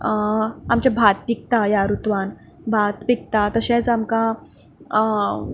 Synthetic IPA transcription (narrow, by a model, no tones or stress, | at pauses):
amt͡ɕabʱat̪̚pik̚t̪ajaɾut̪ʋan | bʱat̪pik̚t̪at̪əɕɛ̃t͡samka